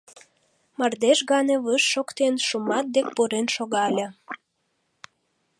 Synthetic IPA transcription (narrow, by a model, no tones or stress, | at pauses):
mɑrd̪eʃɣɑneβəʃːokt̪enʃumɑt̪̚d̪ek̚puɾenʃoɣɑlʲə̆